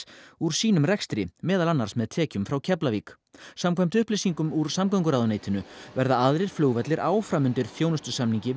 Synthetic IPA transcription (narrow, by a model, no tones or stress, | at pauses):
uɾ̥siːnʏmrɛkst̪ɾɪmɛːðalanːaɾsmɛðt̪ʰɛːcʏmfɾawcʰɛplavik | samkʰvajm̥t̪ʏhplejsiŋkʏmuɾ̥samkawŋkʏɾawðʏneːjt̪ɪnʏvɛɾðaaðɾɪɾ̥flʏɣvɛt̪lɪɾʔaːwfɾamʏnt̪ɪɾ̥θjownʏst̪ʏsamniɲcɪ